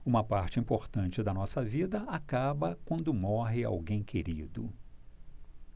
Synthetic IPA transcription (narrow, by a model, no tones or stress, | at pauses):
ũmɐpaɾt͡ʃɪĩmpoɾt̪ɐ̃nt͡ʃɪd̪ɐnɔsɐvid̪ɐakabɐkwɐ̃nd̪ʊmɔɦɪa̰wɡẽj̃kʰeɾid̪ʊ̰